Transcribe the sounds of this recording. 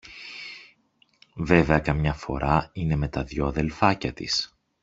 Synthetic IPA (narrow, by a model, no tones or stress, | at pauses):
ve̞ve̞ɐkɐmɲɐfo̞̰ɾʔɐine̞me̞t̪ɐðʝo̞ɐðe̞lfɐcɐt̪ḭs